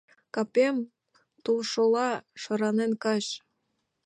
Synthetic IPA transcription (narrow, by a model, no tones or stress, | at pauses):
kɑpem | t̪ulʃolɑʃɤ̆ɾɑnenkɑʃ